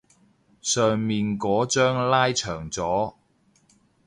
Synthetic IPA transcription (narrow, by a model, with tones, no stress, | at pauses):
sœː˨ŋmiː˨nkɔː˨˥t͡ʃœː˥ŋlaː˥jt͡ʃʰœː˨˩ŋt͡sɔː˨˥